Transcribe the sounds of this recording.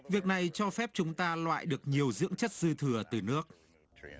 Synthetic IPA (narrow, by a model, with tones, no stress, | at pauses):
vi˨˩ək̚na˨˩jt͡ɕɔ˧fɛ˦˥p̚t͡ɕʊ˨˦ŋ͡mt̪aː˧lwa̰ː˧˨jɗɨ˨˩ək̚ɲi˨˩əwzɨ̰˧˥əŋt͡ɕə˦˥t̚zɨ˧t̪ʰɨ˧˩ət̪ɨ˨˩nɨ˦˥ək̚